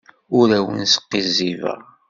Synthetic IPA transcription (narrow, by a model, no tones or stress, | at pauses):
ʊɾæwə̰nsə̥qːizivə̰ʁ